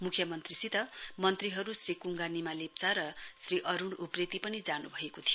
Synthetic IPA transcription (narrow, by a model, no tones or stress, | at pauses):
mukʰjʌmʌnt̪risit̪ʌmʌnt̪riɦʌɾusrikuŋɡanimalep̚t͡saɾʌsriʔʌɾuɽupret̪ipʌnid͡zanubʱʌekot̪ʰijo